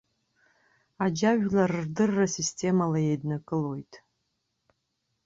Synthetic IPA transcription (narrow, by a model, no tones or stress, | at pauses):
ad͡ʒaʒᶣlarɨrdɨrːasistʰʲʼe̞malaje̞jdnakʼɨlo̞jtʼ